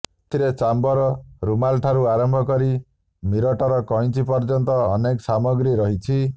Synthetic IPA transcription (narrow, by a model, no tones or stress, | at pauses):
t̪ʰiɾet͡ʃambɔɾɔɾumalʈʰaɾuaɾɔmbʱɔkɔɾi | miɾɔʈɔɾɔkɔj̃t͡ʃipɔɾd͡ʒɔnt̪ɔːnekɔsamɔɡɾiɾɔɦit͡ʃʰi